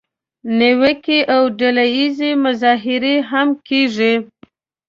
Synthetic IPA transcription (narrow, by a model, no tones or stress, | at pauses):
newəkiʔawɖalajizemʊzɑɦɪɾeɦamkeʐi